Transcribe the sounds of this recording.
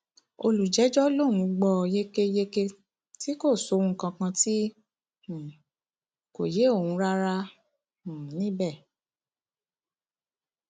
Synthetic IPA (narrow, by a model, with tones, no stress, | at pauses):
o˧lu˨d͡ʒɛ˨˦d͡ʒɔ˦lõ˦˨ũ˨˧ɡ͡bɔ˧je˦ke˧je˧ke˧ | ti˦ko˦˨so˨˧˦ũ˧˦kã˧kã˧tĩ˦˨ | ko˨je˨˦o˦˨hũ˧˦ɾa˦ɾã˦˨ | nĩ˨˦bɛ˦˨